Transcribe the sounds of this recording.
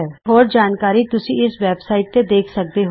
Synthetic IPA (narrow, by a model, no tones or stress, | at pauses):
ɛːɦɔːɾd͡ʒaːnkaːɾit̪ʊsĩɪsʋɛːbsaːɪʈ̚ted̪eːkʰsɐk̚d̪eɦ